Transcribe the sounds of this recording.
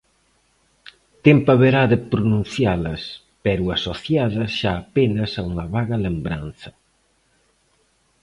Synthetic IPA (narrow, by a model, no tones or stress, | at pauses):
t̪empaβeɾaðepɾunũn̟θjalɐs | pɛɾuasoθjaðɐʃaːpenɐsauŋaβaɣalembɾan̟θɐ